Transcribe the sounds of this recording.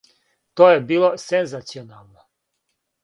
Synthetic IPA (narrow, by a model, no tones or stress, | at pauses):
t̪oːjebiːlˠosenzat̪sionaːlˠno